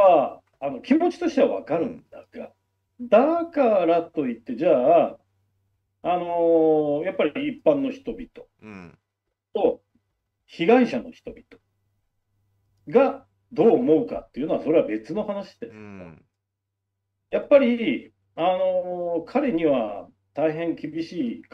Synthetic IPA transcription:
aː | no̞kʲimo̞t͡ɕi̥t̪o̞ɕt̪e̞βa̰βa̰kaɾɯ̟̰̃nd̪aɡ̥a̰ | d̪akaɾat̪o̞it̪ːe̞d͡ʑaː | no̞japːaɾʲiipːãnːo̞çi̥t̪o̞bʲit̪o̞̥ | t̪o̞ | çiɡaiɕano̞çi̥t̪o̞bʲi̥t̪o | ɡa | d̪o̞ːmo̞ɯ̟ka̰t̪ːeiɯ̟no̞aso̞ɾe̞βabe̞t͡sɨno̞hanaɕi̥d̪̥e̞sɨ̥ | japːaɾʲi | ano̞kʰaɾe̞ɲ̟iβa | t̪aiɦẽ̞ŋkʲibʲiɕiːk

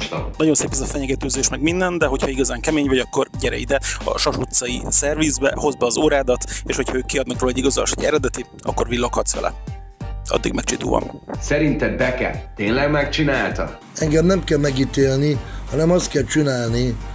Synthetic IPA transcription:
ʃt̪ɔ̰nɒɟo̞nseːpɛzɒfɛɲɛɡɛt̪øːzeːʃmɛɡmind̪ɛnd̪ɛɦo̞chɒiɡɒzaːŋkɛmeːɲvɒɟɒkːo̞rɟɛɾɛ̰ḭd̪ɛɒ̰ʃɒʃut̪sɒḭsɛrvizbɛ̰ho̞zbɛːzoːɾaːd̪ɒt̪eːʃho̞chɒøːkːiɒd̪nɒkroːlɛɟːiɡɒzol̰ʃoɟɛ̰ɾɛd̪ɛt̪i | ɒ̰kːo̞rvilːokhɒt̪sʋɛ̰lʔɛ̰ | ɒ̰d̪ːḭɡmɛk̚t͡ʃit̪ṵːvɒ̰msɛɾint̪ɛbɛkɛ̰t̪eːnlɛɡmɛk̚t͡ʃinaːlt̪ɒ̰ | ɛŋɡɛmnɛmkɛlmɛɡit̪eːlnihɒnɛmɒst̪̚kɛlt͡ʃinaːlni

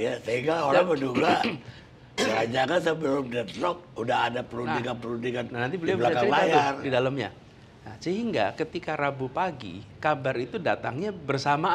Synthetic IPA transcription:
jasəiŋɡaoɾaŋbəduɡa | kəɾad͡ʒaŋans̬əbəlʊmdat̪ɾɔk̚udahadapəlunndiŋanpəlundiŋannanant̪ibəlialaakaajardidaləmɲa̰ | nasəɦiŋɡakət̪ikaɾabupaɡḭkabarit̪udat̪aŋɲabərsama

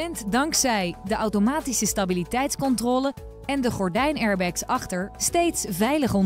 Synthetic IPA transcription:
ɛntdɑŋksɛjdəʔɑwtomaːtisəstabilitɛjtskɔntrɔːlə | ɛndəχɔɹdɛjnɛɹbɛksɑχtəɹstejtsvɛjləχɔn

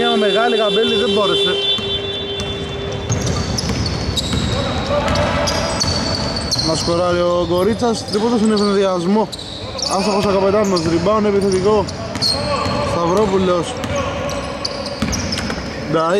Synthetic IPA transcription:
ɐmeɣɐlikabeliðemboɾe̞se | nɐskoɾɐɾioɡoɾit͡sːɐst̪ipot̪ɐsinefineðiɐzmo̞ | ɐst̪ɐposɐkɐpet̪ɐnnɐzɾibɐonepiθet̪iko | st̪ɐvɾopulos | nd̪ɐ

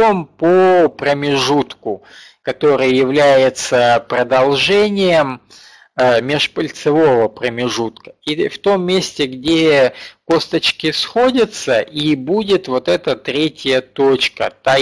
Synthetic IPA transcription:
ompopɾəmʲɪʐut̪kʊ | kɐt̪o̞ɾɨjəjɪvlʲæjɪt̪səpɾəd̪ɐlˠʐɛnʲɪjəm | mʲɪʂpəlʲt̪sɨvo̞vəpɾəmʲɪʐut̪kə̥ift̪o̞mːʲesʲtʲɪɡdʲeko̞st̪ət͡ɕkʲɪsxo̞dʲət̪səʔibudʲɪt̪vo̞t̪ɛt̪ət̪ɾʲetʲjət̪ot͡ɕkə̰t̪a

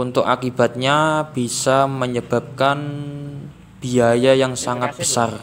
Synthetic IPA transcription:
unt̪ʊkakib̥a̤t̪̚ɲab̥isaməɲəb̥a̤p̚kan | b̥iajajaŋsaŋat̪̚b̥əsar

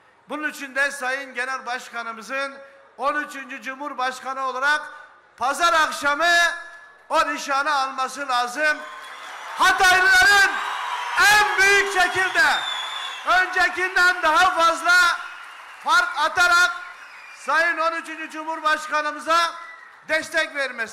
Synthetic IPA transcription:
bʊnɨnyt͡ʃʰynd̪ɛsɑjɨnɡʲɛnɛɾbɑʃχɑnɨmɨzɨn | onyt͡ʃʰynt͡ʃʰid͡ʒumhuɾbɑʃχɑnɨolˠɑɾɑq | pʰɑzɑɾɑqʃɑmɨ | onɪʃɑnɨɑlˠmɑsɨlˠɑːzɨm | hɑt̪ɑjlɨlˠɑɾɨnɛnbyjykʲʃɛkʲʰilʲd̪ɛ | ønd͡ʒɛkʲind̪ɛnd̪ɑɦɑfɑzlˠɑ | fɑɾkɑt̪ɑɾɑq | sɑjɯno̞nyt͡ʃʰynd͡ʒyd͡ʒumhuɾbɑʃqɑnɯmɯzɑ | d̪ɛst̪ɛkʲveɾmɛs

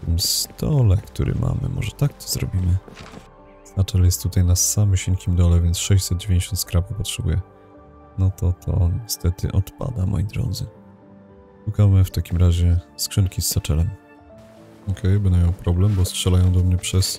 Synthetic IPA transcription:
t̪ɘmst̪ʰɔlɛkt̪uɾʔɛ̰mʔa̰mɘ̰mʔɔ̰ʐɛt̪ak̚t̪ʰɔ̥zɾɔbʲimɘ | sat͡ʂɛljɛst̪ːut̪ajnasamɕiɲkʲimd̪ɔlɛvʲjɛntsʂɛɕt͡ɕsɛd̪̚d͡ʑevʲj̃ɲd͡ʑʲeɕɔnt̪skɾapupɔtʂɛbṵjɛ | nɔt̪ʰɔt̪ʰɔ̰ɲɛst̪ɛt̪ɘ̰ʔɔt̪pa̰d̪amʔɔ̰jid̪ɾɔ̰d̪zɘ | ʂukamɘft̪akʲimɾaʑɛskʂɛnkʲisːat͡ʂɛlɛm | ɔkʰɛjbɛnamjɔwpɾɔblɛmbɔstʂɛlajɔ̃w̃d̪ɔmɲɛpʂɛs

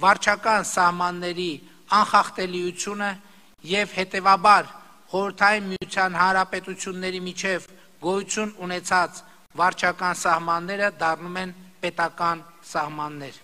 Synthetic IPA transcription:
vɑɾt͡ʃʰɑkɑnsɑhmɑnːɛɾi | ɑnχɑχt̪ɛliut͡sʰjunə | jɛvhɛt̪ɛvɑbɑɾ | χɔɾəɾt̪ʰɑjinmijut͡sʰjɑnhɑnɾɑpɛt̪ut͡sʰjunːɛɾimit͡ʃʰɛv | ɡɔjut͡sʰjununɛt͡sʰɑt͡s | vɑɾt͡ʃʰɑkɑnsɑhmɑnːɛɾəd̪ɑrnumɛnpɛt̪ɑkɑnsɑhmɑnːɛɾ

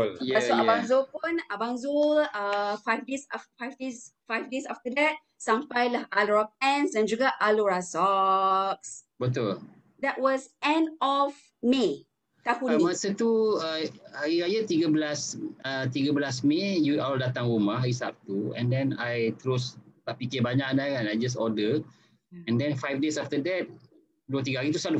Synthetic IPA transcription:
ljaoabaŋzopũnabãŋzuləfajfdesaffajfdesfajfdesaftədɛt̚ | sãmfajlahaloɹɔk̚ɛ̃nsdɛ̃nd͡ʒuɡaʔaloɹasɔ | k̚s | bət̪̬ul | dɛt̚wɔsɛ̃ndɔf | me | t̪apumasət̪uəaɣiɾajat̪iɡabəlasət̪iɡabəlasmejutawldat̪aŋɾumaɦisa̰p̚t̪uɛ̰̃ndɛ̃najt̪əɾʊstaʔpikɪbaɲakandakanajd͡ʒas̬ɔdə | ɛ̃ndɛ̃nfajfdesaft̪ədɛt̪̚ | duət̪̬iɡaɦaɾit̪̬usalu

